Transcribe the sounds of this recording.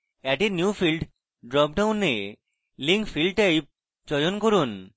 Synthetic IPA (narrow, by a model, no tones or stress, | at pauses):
ɛʈenjufilɖ | ɖɾɔp̚ɖawnːe | liŋkfilɖʈaj | d͡ʑɔjonkoɾun